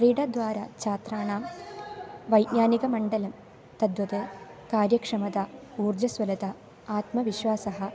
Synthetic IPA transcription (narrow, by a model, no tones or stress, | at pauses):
riːɽɐd̪ʋaːɾɐt͡ɕaːt̪raːɳaːm | ʋɐjʔɲaːniɡɐmɐɳɖɐlɐm | t̪ɐd̪ʋɐðɨkaːɾjɐkʂɐmɐðɐ | uːrd͡ʑɐsʋɐlɐt̪ɐ | aːt̪mɐʋiɕwaːsɐɦɐ